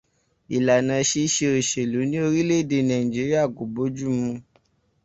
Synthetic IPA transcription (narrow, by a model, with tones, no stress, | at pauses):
i˨la˨nã˧˦ʃe˧ʃe˧o˨ʃe˨lu˨˦nĩ˦o˧ɾi˦le˦˨de˧˨nã˨ĩ˨d͡ʒi˨˦ɾi˦a˦˨ɡo˨bo˨˦d͡ʒu˦mũ˧